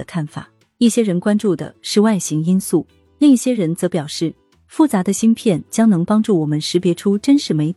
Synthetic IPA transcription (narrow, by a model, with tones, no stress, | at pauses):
ə˧kʰa˥˩nfa̰˨˩˦ | i˥˩ɕjɛ˥ɻə˧˥nkwa˥nʈ͡ʂu˥˩d̪ə̰˩ʂɻ̩˥˧wa˥˩ɪɕi˧˥ŋi˥nsu˥˩ | li˥˧ŋi˥˩ɕjɛ˥ɻə˧˥nt͡sɤ˧˥pjɑ˨˩ʊʂɻ̩˥˩ | fu˥˩t͡sa˧˥d̪ə˧ɕi˥ŋpʰjɛ˥˩nt͡ɕjɑ˥ŋnɤ˧˥ŋpɑ˥ŋʈ͡ʂu˥˩wɔ˨˩mə˦nʂɻ̩˧˥pjɛ˧˥ʈ͡ʂʰu˥ʈ͡ʂə˥nʂɻ̩˧˥me˧˥ɪt̪ʰ